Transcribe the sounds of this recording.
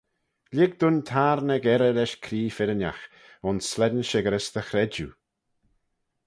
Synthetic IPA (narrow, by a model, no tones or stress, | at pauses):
lʲɪɡ̚d̪ʊnt̪ʰaːɾnəɡɛɾəlɛʃkʰɾiːfɪɾənja̰x | ʊnsːlɛdnʃɪɡəɾəsd̪əxɾɛd͡ʒu